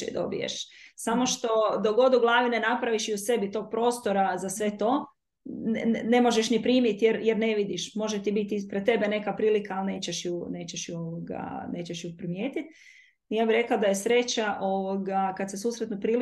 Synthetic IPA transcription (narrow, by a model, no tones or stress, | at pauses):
ḛd̪o̞̰bḭjḛʃsamo̞ʃt̪o̞d̪oɡo̞d̪uɡlˠaːʋinenapɾaʋiʃiuse̞bit̪o̞ɡ̚pɾo̞ːst̪o̞ɾazasʋe̞t̪o̞ | ne̞mo̞ʒeʃnipɾiːmjit̪jeɾjeɾne̞ʋid̪iʃmo̞ʒet̪ibit̪ispɾet̪ːe̞bene̞kapɾiːlikaːlˠne̞ːt͡ɕeʃjune̞ːt͡ɕeʃjuoʋoɡa̰neːt͡ɕeʃjupɾimjeːt̪it̪̚ | ijaːbiɾe̞klad̪aje̞sɾe̞t͡ɕaʔo̞ʋoɡakat̪sesuːsɾet̪nupɾiːl